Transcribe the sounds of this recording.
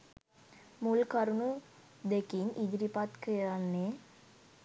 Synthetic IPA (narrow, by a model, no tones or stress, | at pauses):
mulkaɾunu | d̪ekiɲʔid͡ʒɾipat̪kəjanːe